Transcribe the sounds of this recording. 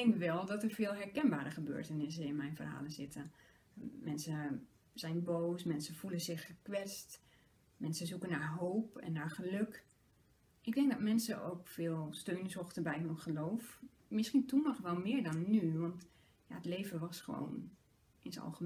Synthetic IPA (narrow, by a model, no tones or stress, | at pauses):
ɛŋkʋɛlˠdɔtərvɪːlˠɦɛɹkɛnbaːɾəχəbø̰ːɹtənɪs̬əɪnmɛjnvə̰rha̰ːlˠəzɪtə | mɛnsə | z̥ɛjnboːsmɛnsəfulənzɪχːəkʋɛt͡st | mɛnsəzukənaɹɦoːpɛ̰nːaɹχəløk | ɪk̚dɛŋk̚dɔtmɛnsəʔo̰ːkfɪːlˠstøːnzoxtəbɛjɦønχəloːf | mɪsχintumɔχʋɛlˠmɪːɹdɔnːyʋɑnt | ja̰ətleːvəʋɔsχəʋo̰ːn | ʔɪnsɑ̰lˠxə